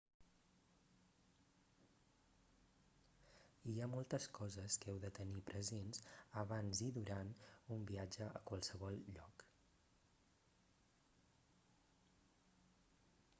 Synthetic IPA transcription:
iamɔlˠt̪əskɔzəskɛwðət̪ənipɾʔəzenzəβanziðuɾanumbiad͡ʒəʔəkwəlˠsəβɔlʎɔk

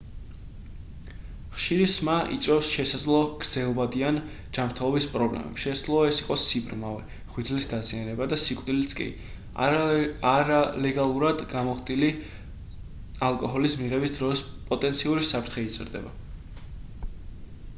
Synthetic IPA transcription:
χʃiɾismaʔḭt̪sʼɛfsʃɛsad̪zlˠɔɡ̥ɾd̪z̥ɛlˠbad̪ian | d͡ʒamɾt̪ʰɛlˠɔbispʼɾɔblɛ̰mɛ̰psʃɛsad̪zlˠɔɛsiqʼɔsibɾmavɛ | χwid̪zlisd̪azianɛbad̪asikʼvd̪ilit̪sʰkʼḭ | aɾalɛɡalˠuɾad̪ɡamɔχt̪ʼili | alˠkʼɔɦɔlismiʁɛbisd̪ɾɔspʼɔt̪ʼɛnt̪sʰiuɾisapʰɾt̪ʰχɛit̪sʼɾd̪ɛ̰ba

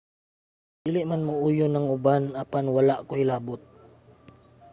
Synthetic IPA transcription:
d̪iːlɪʔmanmaʔuːjʊnɐŋʊbanɐpanwɐlaʔkoɪlaːbʊt̪̚

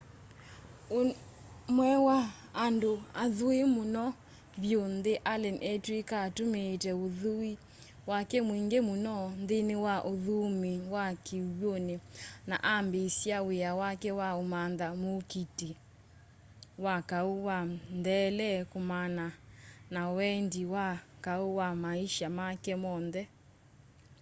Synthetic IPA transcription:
o | mwɛwaː | ndoaðoemonɔ | βjondeʔalɛnʔɛtwikatomeːtɛoðui | wakɛmwiŋɡemonɔndenewaʔoðomewakewonena̰ʔambesjaweawakɛwaomanðamokite | wakaowandɛlɛkomananawɛndiwakaowamaiʃamakɛmɔnðɛ

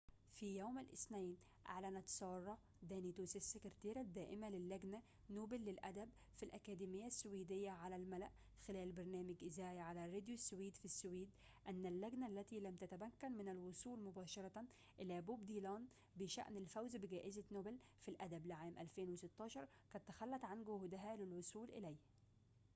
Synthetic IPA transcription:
fiːjaːmalʔɪ̰snæjn | ʔa̰ʕlænæt̪sˤɑːrˤːɑ | d̪æːnit̪uːsɪsːekɪɾt̪eːɾad̪ːæːʔɪmalɪlːæɡna | noːbɪlːɪlʔæd̪æb | filʔækæːd̪iːmɪjːasːʊwiːd̪ɪjːaʕalælmælæʔ | xɪlæːlbɑɾˤnæːmɪɡʔɪzæːjaʕalærɾːed̪josːʊwiːd̪fisːʊwiːd̪ | ʔænːælːæɡnæʔlːæt̪ilæmt̪æt̪æmækːænmɪnælwʊsˤuːlmʊbæːʃɑɾˤɑ | ʔɪlæbobd̪iːlɑːn | bɪʃæ̰ʔnɪlfæwzbɪɡæːʔɪzanoːbɪlfilʔæd̪æblɪʕaːmʔæ̰lfeːnwɪsɪt̪ːɑːʃɑɾˤ | kæt̪ːaxælːæt̪ˤʕanɡʊhd̪ɪɦælɪlwʊsˤuːlʔɪ̰læjh

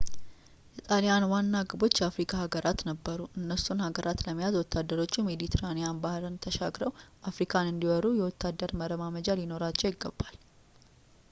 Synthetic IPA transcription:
ʔit̪ʼalijanwanːaɡɨbo̞t͡ʃːjɛafɾikʰahaɡəɾʔat̪nəbːəɾuʔɨnːəsunhaɡəɾʔat̪ləmːijazwɔt̪ʰːad̪əɾo̞t͡ʃːume̞d̪it̪ʰeɾanejanbahɨɾɨnt̪ʰəʃaɡɾəwʔafɾikʰanɨnd̪iwɔɾujɛwɔt̪ːad̪əɾməɾəmaməd͡ʒalino̞ɾat͡ʃːɛwiɡːəbːal

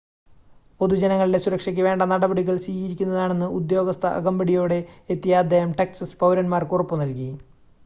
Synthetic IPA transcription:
po̞ðud͡ʑɐnɐŋːɐɭilesuɾɐkʂɐkʲːɨʋe̞ːɳɖɐnɐɽɐbɐɽiɣɐɭsiːɣiɾikʲːunːɐðaːɳe̞nːɨud̪jo̞ːɡɐst̪ʰɐʔɐ̰ɡɐmbɐɽijo̞ːɽe̞ːt̪ːijɐːd̪ːe̞ːhɐmʈɐksɐspɐwɾɐnmaːrkurɐpːunɐlki

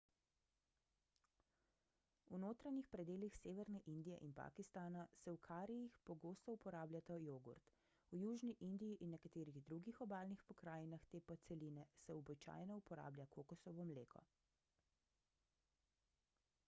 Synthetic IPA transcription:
unoːt̪ɾaɲixpɾɛd̪eːlixseːʋɛɾnɛʔind̪ijɛʔinpa̰kist̪aːnasɛwkʰaːɾijixpɔɡoːst̪ɔupɔɾaːblʲjat̪ajoːɡṵɾt̪ | ujuːʒniʔind̪ijiʔinːɛkat̪eːɾiɣd̪ɾuːɡixɔbaːlnixpɔkɾaːjnaxt̪eːpɔsɛliːnɛsɛɔbit͡ʃa̰ːjnɔupɔɾa̰ːblʲjakʰokɔsɔʋɔmlḛːkʰɔ̰

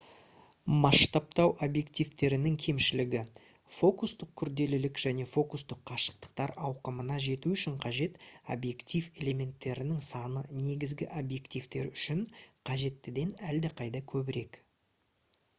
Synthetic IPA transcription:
mɑʃt̪ɑp̚t̪ɑwʔobje̞kt̪ijvt̪e̞ɾɪnɪŋkʲʰe̞mʃɪlɪɡʲɪ | fo̞kust̪əq̚kʲʰʏɾd̪e̞lɪlɪkʒ̥æne̞fo̞kust̪əqʰːɑʃə̥q̚t̪ə̥q̚t̪ɑɾɑwqəmənɑʒe̞t̪uʏʃɪɴqʰɑʒe̞t̪o̰bje̞kt̪ijve̞le̞mʲe̞nt̪ːe̞ɾɪnɪŋsɑnəne̞ɡʲɪzɡʲɪʔobje̞kt̪ijvt̪e̞ɾʏʃɪnqʰɑʒe̞t̪ːɪd̪e̞næld̪ɪqʰɑjd̪ɑkʲʰɵbɪɾe̞k

